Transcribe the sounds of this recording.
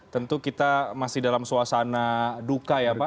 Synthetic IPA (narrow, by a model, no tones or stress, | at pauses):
t̪ənt̪ukit̪amasɪhdalamsuasanadukajaːpa